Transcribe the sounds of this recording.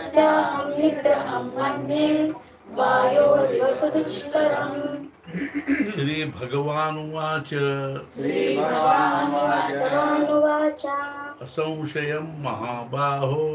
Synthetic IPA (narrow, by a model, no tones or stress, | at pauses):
sɐɦɐmlitɐɐmːɐnːi | baːjoːʋɐsɐd̪uʃt̪ɐɾɐm | ʃɾiːbʱɐɡɐʋaːnuʋaːt͡ʃɐ | iːbʱɐʋaːnɐbʱɐɡɐʋaːnuʋaːt͡ʃa | ɐsɐ̃w̃ʃɐjɐmːɐɦaːbaːɦo